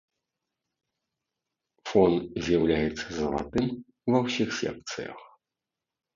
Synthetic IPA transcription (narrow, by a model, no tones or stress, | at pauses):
fɔnzʲjawlʲajɛt̪sːɐzɐlˠa̰t̪ɨm | uvɐwsʲixsʲɛ̰k̚t̪sɨjɐ̰x